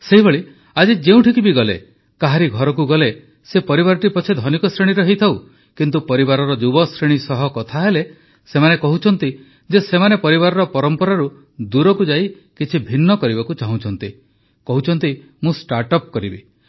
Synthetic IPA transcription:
seɦiβoɭi | ad͡ʒid͡ʒeũʈʰikibiɡɔlḛ | kaɦaɾiɡʱɔɾɔk̬uɡɔle | sepɔɾiβaɾɔʈipɔt͡ʃʰed̪ʱɔnikɔsɾeɽ̃iɾɔɦejt̪ʰaw | kint̪upɔɾibaɾɔɾɔd͡ʒubɔsɾeɽ̃isɔɦɔkɔt̪ʰaɦele | semanekɔɦut͡ʃʰɔn̪t̪i | d͡ʒesemanepɔɾiβaɾɔɾɔpɔɾɔmpɔɾaɾu | d̪uɾɔkud͡ʒai | kit͡ʃʰibʱinːɔkɔɾibakut͡ʃaɦũt͡ʃʰɔnt̪i | kɔɦut͡ʃʰɔnt̪i | mũsʈaɾʈɔp̚kɔɾibḭ

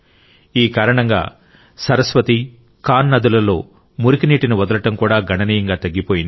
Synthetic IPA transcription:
iːkaːɾɐɳɐŋɡa̰ː | sɐɾɐsʋɐt̪i | kaːnːɐd̪ulɐlo̞ː | muɾikiniːʈiniʋɐd̪ɐlɐʈɐmkuːɽaːɡʱɐɳɐniːjɐŋɡaːt̪ɐɡːipoːjind̪

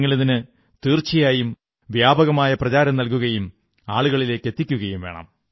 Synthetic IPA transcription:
ŋːɐɭeðinɨ | t̪iːrt͡ɕijaːjum | ʋjaːbɐɣɐmaːjɐprɐt͡ɕaːɾɐmnɐlkuɣɐjum | aːɭuɣɐɭile̞ːkːe̞t̪ːikʲːuɣɐjumʋe̞ːɳɐ̰m

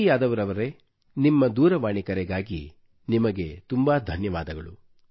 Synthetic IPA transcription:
jaːd̪ɐʋɐɾɐʋɐɾe̞ | nimːɐd̪uːɾɐʋaːɳikɐɾɛɡaːɡi | nimɐɡe̞t̪umbaːd̪ʱɐnjɐʋaːd̪ɐɡɐɭu

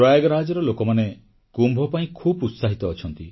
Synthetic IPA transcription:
ɾɔjaɡɔɾad͡ʒɔɾɔlokɔmane | kumbʱɔpaĩkʰubut̪saɦit̪ɔːt͡ʃʰɔnt̪i

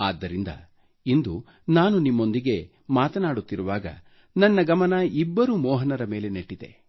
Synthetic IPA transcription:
aːd̪ːɐɾind̪ɐ̰ | ind̪u | naːnunimːo̞nd̪iɡe̞ | maːt̪ɐnaːɽut̪ːiɾuʋaːɡɐ̰ | nɐnːɐɡɐmɐnɐibːɐɾuːmɔːɦɐnɐɾɐme̞ːle̞neʈːid̪e̞̰

